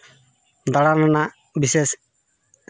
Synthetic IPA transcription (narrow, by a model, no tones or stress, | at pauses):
d̪aɽanana | bisɛs